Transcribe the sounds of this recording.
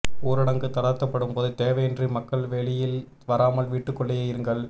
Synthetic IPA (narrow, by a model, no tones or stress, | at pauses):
uːɾɯɽɐŋɡɯt̪ɐɽɐt̪ːɐpːɐɽɯmpoːðɯt̪eːʋɐjɛndrimɐkːɐɭʋeːɭɪjɪl | ʋɐɾaːmɐlʋiːʈːɯkːɔɭːɐjɐjɪɾɯŋɡɐɭ